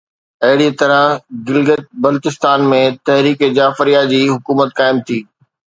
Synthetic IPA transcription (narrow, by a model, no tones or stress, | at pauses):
ɐɦɪɽit̪ɐɾə̃ɡɪlɡət̪̚bɐlʊt̪ɪst̪aːnmẽt̪ɐɦɾiːked͡ʑaːfɾijad͡ʑiːɦʊkuːmət̪̚kaːɪmt̪ʰiː